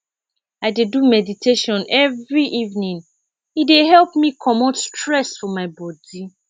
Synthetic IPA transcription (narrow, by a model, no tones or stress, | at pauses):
aɪdedumɛditʰeʃɔ̃nɛvɹiʔivnĩŋ | ideɦɛlpmikʰɔmɔtstɹɛsfɔmaɪbɔdi